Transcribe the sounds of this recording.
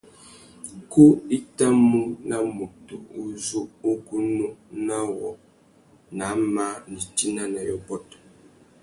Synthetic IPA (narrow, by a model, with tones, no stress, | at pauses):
ku˦i˦ta˦mu˦na˦mu˨tu˨u˦zu˦o˦ɡu˦nu˦na˦wɔ̰˨ | na˨˦ma˦ni˨ti˦na˦na˨jɔ̰˨bɔ˦˨t